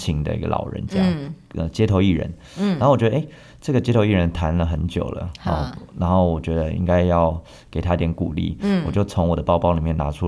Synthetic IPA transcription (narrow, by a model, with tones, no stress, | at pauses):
t͡ɕʰi˧˥ŋd̪ə̰˧ḭ˥˧ɡə̰˧lɑ̰˨˩ʊɻə̰˧˦nt͡sɤ˥˦jɑ˥˩ŋʔə̰˧t͡ɕjɛ˥t̪ʰo˧˥ʊi˥˩ɻə̰˧˥n | na˨˥o˥˩wɔ˨˩t͡ɕɥɛ˧˥də˧e˥˩ | ʈ͡ʂɤ˥˩ɡə˩t͡ɕjɛ˥t̪ʰo˧ʊi˥˩ɻə˧˥nt̪ʰa˧˥nlə˨xə˧˥nt͡ɕjo̰˨˩ʊlə̰˦ɔ̰˧˩na˧˥nxo˥˩ʊwɔ˨˩t͡ɕɥɛ˧˥d̪ə˧ḭ˥ŋka˥ɪjɑ˥˩ʊ | ke˨˩ɪt̪ʰa˥˩t̪jnku˨˩lḭ˥˩wwɔ˨˩t͡ɕjo˥˩ʊt͡sʰʊ˧˥ŋwɔ˨˩d̪ə˦pɑ˥˧ʊpɑ˥˧ʊli˨˩mjɛ˥˩na˧˥ʈ͡ʂʰu˥